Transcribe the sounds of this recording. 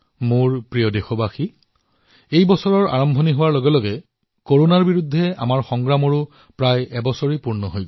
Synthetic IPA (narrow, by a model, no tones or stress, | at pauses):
muɹpɹijɔdexobaxi | ejbɔsɔɹɔɹa̰ɹɔmbʱɔniɦʊwaɹloɡɛlɔɡɛ | koɹonaɹbiɹud̪ʱːɛa̰maɹxɔŋɡɹamɔɹʊ | pɹajɛbɔsɔɹipuɹnɔɦojɡ